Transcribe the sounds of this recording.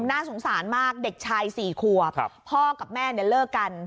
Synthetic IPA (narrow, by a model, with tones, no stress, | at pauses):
mnaː˥˩so˩˦ŋsaː˩˦nmaː˥˩k̚de˨˩k̚t͡ɕʰaː˧jsiː˨˩kʰu˨˩əpʰːɔː˥˩ka˨˩p̚mɛː˥˩n˧˩lɤː˥˩ka˧n